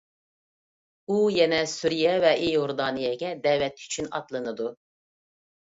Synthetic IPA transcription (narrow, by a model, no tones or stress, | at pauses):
ujɛnɛsuɾijɛvɛʔejoɾd̪ɑːnɨjɛɡʲɛd̪ɛwɛt̪y̥t͡ʃʰynɑt̪lˠɨnɨd̪u